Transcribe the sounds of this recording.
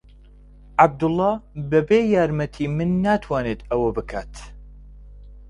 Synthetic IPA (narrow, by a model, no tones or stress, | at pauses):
ʕab̚d̪ʊlˠːaːbɐbeːjaːɾmɐt̪ʰiːmɨnːaːt̪ʰwaːneːt̪ɐwɐbɨkʰaːt̪